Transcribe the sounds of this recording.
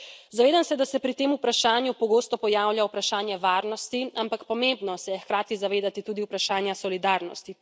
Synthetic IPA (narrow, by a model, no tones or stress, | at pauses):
zaʋeːd̪amsɛd̪asɛpɾit̪eːmupɾaʃaːnjupɔɡoːst̪ɔpɔjaːwljawpɾaʃaːnjɛʋaːɾnɔst̪iampakpɔmembnɔsɛjɛxkɾaːt̪izaʋeːd̪at̪it̪uːd̪iwpɾaʃaːnjasɔlid̪aːɾnɔ̰st̪i